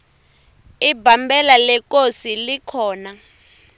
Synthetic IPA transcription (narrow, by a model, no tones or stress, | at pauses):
ibʱambɛlalɛk̬ʼosilikʰɔːna